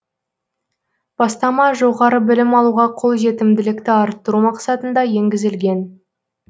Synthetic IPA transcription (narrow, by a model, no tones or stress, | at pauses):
b̥ɑst̪ɑmɑʒo̞ʁɑɾəbɪlɪmɑlˠuʁɑqʰo̞lˠʒe̞t̪ɪmd̪ɪlɪkt̪ɪɑɾt̪ːəɾumɑqsɑt̪ənd̪ɑje̞ŋɡʲɪzɪlɡʲe̞n